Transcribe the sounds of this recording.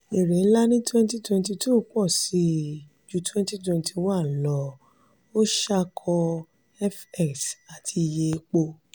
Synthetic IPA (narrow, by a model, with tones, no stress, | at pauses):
e˨ɾẽ˨˦la˦nĩ˦twɛ̃˦nti˦twɛ̃˧nt̬i˧tu˦˨k͡pɔ˦˨si˨˦˨ | d͡ʒu˧˦twɛ̃˦nti˦twɛ̃˧ntʰi˧wa˦˨lɔ˨˦ | o˦ʃa˦kʰɔ˧ | ɛ˦fɛ˦˨ksa˨tʰi˧je˧k͡po˧